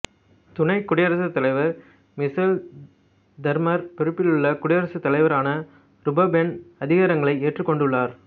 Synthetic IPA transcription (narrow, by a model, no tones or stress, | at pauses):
t̪ʊnɐɪkːʊɽɪjɐɾɐsɐt̪ːɐlɐɪʋɐɾ | mɪsɐl | d̪ɐɾmɐɾpɪɾɯpːɪlɯɭːɐkʊɽɪjɐɾɐsɯt̪ːɐlɐɪʋɐɾaːnɐ | ɾʊbɐbɛnɐðɪɣaːɾɐŋɡɐɭɐɪeːʈrɯkːɔɳɖɯɭːaːɾ